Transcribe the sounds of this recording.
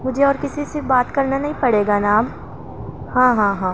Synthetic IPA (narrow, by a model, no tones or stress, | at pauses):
mʊd͡ʒʱeɔːɾkɪsisebaːt̪kɐɾnanɐɦĩpɐɽeːɡanaːm | hãːɦãːɦãː